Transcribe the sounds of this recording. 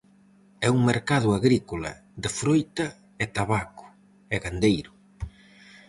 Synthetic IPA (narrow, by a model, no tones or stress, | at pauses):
ɛuŋmeɾkað̞ʊaɣɾikola̰ | d̪ɪfɾojt̪ɐ | ɛt̪aβakʊ̥ | ɛɣand̪ejɾʊ